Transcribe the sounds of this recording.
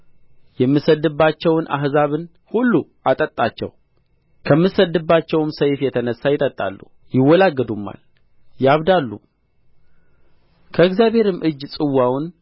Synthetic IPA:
jɛmːɨsəd̪ːɨbːat͡ʃːɛwnʔa̰ɦzaβɨn | hulːu | at̪ʼət̪ʼːat͡ʃːɛ̰w | kʰəmːɨsəd̪ːɨbːat͡ʃːɛwmsəjfjɛt̪ʰənəsːajɪt̪ʼət̪ʼːa̰lːṵ | jɪwːɔlaɡːəd̪umːa̰l | jaβd̪alːṵ | kʰəɨɡzjaβhe̞ɾɨmʔɨd͡ʒːsʼɨwːawn

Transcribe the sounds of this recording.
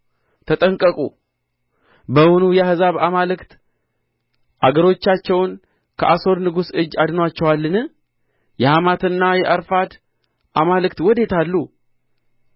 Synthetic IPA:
t̪ʰət̪ʼəŋkʼəkʼṵ | bəwʊnujɛhɨzaβamalɨkt̪ | ʔaɡəɾo̞t͡ʃːat͡ʃːɛwn | kʰəʔaso̞ɾnɨɡusɨd͡ʒːad̪nowat͡ʃːɛwalːɨnɨ | jɛhamat̪ɨnːajɛʔəɾfad̪ | ʔamalɨkt̪wɔd̪e̞t̪ʰalːu

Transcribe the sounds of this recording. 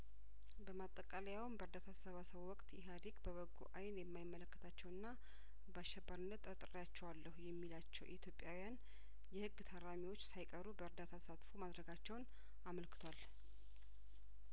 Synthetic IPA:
bəmat̪ʼːəkʼaləjawnbəɾd̪at̪ʰasəβasəβwɔkʼt̪jɛɦaɾikbəβəɡṵʔajnjɛmːajɪmːələkːə̥t̪ʰat͡ʃːɛwɨnːa | baʃːɛbːəɾɨnːət̪ʼːət̪ʼɾijat͡ʃːɛwalːəhujɛmːilat͡ʃːɛ̰wʔḭt̪ʰjo̞pʼːjawijan | jɛhɨɡːt̪ʰaɾamiwo̞t͡ʃːsajkʼəɾubəɨɾd̪at̪ʰat̪ʰəsat̪fomad̪ɾəɡat͡ʃːɛwn | aməlkɨt̪ʰwal

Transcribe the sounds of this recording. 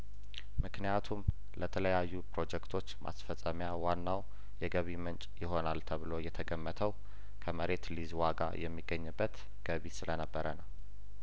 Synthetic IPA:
mɨknijat̪ʰum | lət̪ʰələjajːupɾo̞d͡ʒɛkt̪ʰo̞t͡ʃːmʔa̰sfəsʼəmjawanːaw | jɛɡəβimənt͡ʃʼjɪɦo̞nalt̪ʰəβɨlo̞jɛt̪ʰəɡəmːət̪ʰəw | kʰəməɾe̞t̪lizwaɡa̰jʔɛmːiɡːəɲːɨbːət̪ | ɡ̥əβisɨlənəbːəɾənəw

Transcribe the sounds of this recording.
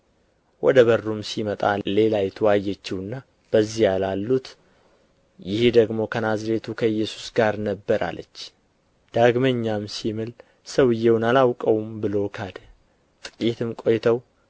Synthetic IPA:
wʔɔd̪əβərːumsimət̪ʼale̞lajɛt̪ʰɨwajːɛt͡ʃːɪwɨnːa | b̥əzːijalalːut̪ | jɪhd̪əɡmo̞kʰənazɾet̪ʰukʰəɨjːɛsu̥sɡaɾnəbːəɾʔa̰lə̰t͡ʃː | d̪̥aɡməɲːamsimɨl | səwɨjːewʊnalawkʼəwmbɨlo̞kʰad̪ | t̪ʼɨkʼit̪ʰɨmkʼo̞jt̪ʰəw

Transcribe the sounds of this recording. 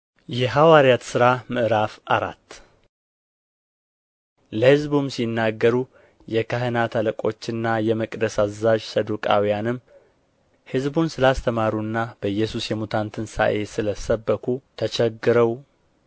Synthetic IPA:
jɛɦawaɾjat̪sɨɾamɨʔɨɾafʔa̰ɾa̰t̪ː | ləhɨzbumsinːaɡːəɾu | jɛkʰaɦənat̪ʰaləkʼo̞̰t͡ʃːɨnːajɛməkʼd̪əsazːaʒsəd̪ukʼa̰wijanɨm | hɨzbunsɨlast̪ʰəmaɾunːab̥əjːɛsusjɛmut̪ʰant̪ʰɨnsa̰ʔe̞sɨləsəbːəkʰut̪ʰət͡ʃʰɛɡːɨɾəw

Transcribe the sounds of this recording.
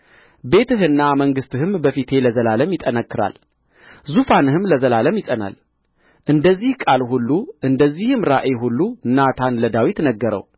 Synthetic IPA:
be̞t̪ɨɦɨnːaməŋɡɨst̪ʰɨhɨmbəfit̪ʰe̞ləzəlaləmjɪt̪ʼːənəkːɨɾa̰l | zufanɨhɨmləzəlaləmjɪsʼəna̰l | ʔɨnd̪əzːihkʼalhulːuʔɨnd̪əzːihɨmɾaʔeɦulːunat̪ʰanləd̪awit̪nəɡːəɾə̰w

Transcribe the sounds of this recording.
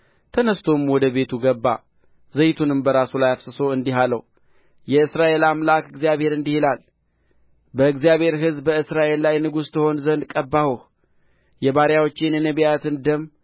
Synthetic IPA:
t̪ʰənəst̪ʰo̞mwɔd̪əβe̞t̪ʰuɡəbːa̰ | zəjt̪ʰunɨmbəɾasulajafsɨso̞ɨnd̪iɦalə̰w | jɛɨsɾaʔe̞lamlakɨɡzijaβhe̞ɾɨnd̪ihelal | bəɨɡzijaβhe̞ɾɦɨzbəɨsɾaʔe̞lːajnɨɡust̪ʰəho̞nzənd̪kʼəbːahuh | jɛbaɾjawot͡ʃːenjɛnəβijat̪ɨnd̪əm

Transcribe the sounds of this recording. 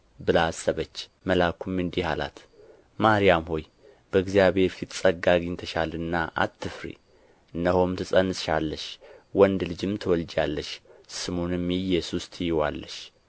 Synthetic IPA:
bɨlasːəβət͡ʃː | məlakʰumɨnd̪ihala̰t̪ | maɾijamho̞j | b̥əɨɡzijaβhe̞ɾfit̪sʼəɡaɡɨɲt̪ʰəʃalɨnːaʔa̰t̪ːɨfɾḭ | ɨnːəho̞mt̪ʰɨsʼənɨsʃalːəʃwɔnd̪lɨd͡ʒɨmt̪ʰəwɔld͡ʒalːəʃsɨmonɨmːijɛsust̪ʰʼjɪwalːəʃ

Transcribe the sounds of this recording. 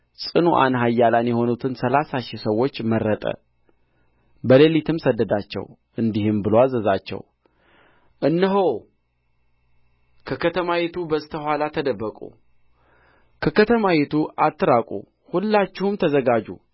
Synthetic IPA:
sʼɨnuʔa̰nɦajːalanjɛho̞nut̪ʰɨnsəlasaʃisəwːo̞t͡ʃːməɾːət̪ʼə̰ | bəlelit̪ʰɨmsəd̪ːəd̪at͡ʃːɛ̰w | ʔɨnd̪ihɨmbɨloazəzat͡ʃːɛ̰w | ʔɨnːɨɦow | kʰəkʰət̪ʰəmajet̪ʰubəst̪ʰəhwalat̪ʰəd̪əbːəkʼṵ | kʰəkət̪ʰəmawet̪ʰuʔat̪ːɨɾakʼṵ | hulːat͡ʃːɪhumt̪ʰəzəɡad͡ʒṵ

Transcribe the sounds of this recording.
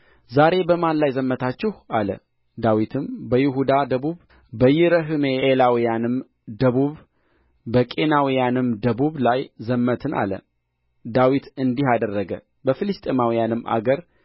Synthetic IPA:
zaɾe̞bəmanlajzəmːət̪ʰat͡ʃːɛhʔalə̰ | d̪awit̪ʰɨmbəjɪɦud̪ad̪əβuβ | bəjɪɾəɦɨmeːlawijanɨm | d̪əβuβ | bəkʼe̞nawijanɨmd̪əβuβlajzəmːət̪ʰɨnʔa̰lə̰ | d̪awit̪ɨnd̪ihad̪ərːəɡə̰ | bəfɨlɨst̪ʼemawijanɨmːʔa̰ɡəɾ

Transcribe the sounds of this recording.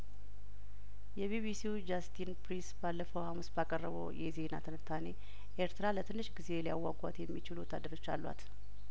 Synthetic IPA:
jɛβiβisiud͡ʒast̪ʰinpɾinsbalːəfəwhamusbakʼərːəβə̰wjɛze̞nat̪ʰənɨt̪ʰːane̞ | ʔeɾt̪ʰɨɾalət̪ʰɨnːɨʃɡize̞lijawːaɡʷʼa̰t̪jɛmːit͡ʃɪlwɔt̪ʰːad̪ːəɾo̞t͡ʃːa̰lːwa̰t̪

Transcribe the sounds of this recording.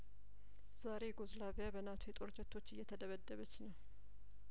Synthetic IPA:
z̥aɾe̞ɡozlaβijabənat̪ʰujet̪ʼoɾt͡ʃʼət̪ʰːo̞t͡ʃːɨjːɛt̪ʰəd̪əβəd̪ːəβət͡ʃːnəw

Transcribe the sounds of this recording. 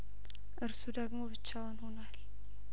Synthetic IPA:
ʔɨɾsud̪əɡmobɨt͡ʃːawənhunal

